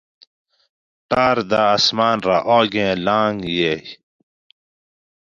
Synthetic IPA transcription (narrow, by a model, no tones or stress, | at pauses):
ʈaːɾd̪aːsmaːnɾaʔoːɡẽːlãːŋɡje